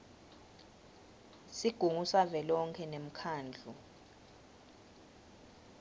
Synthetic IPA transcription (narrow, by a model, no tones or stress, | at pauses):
siɡ̥ʱuŋusavɛlɔŋkʰɛnem̩kʰaːnd͡ɮʱu